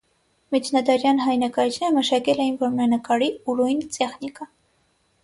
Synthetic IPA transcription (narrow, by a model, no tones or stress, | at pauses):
mit͡ʃʰnɑd̪ɑɾjɑnɦɑjnɑkɑɾit͡ʃʰnɛɾəməʃɑkɛlɛjinvɔɾməɾɑnəkɑɾiuɾujnt͡sɛχnikə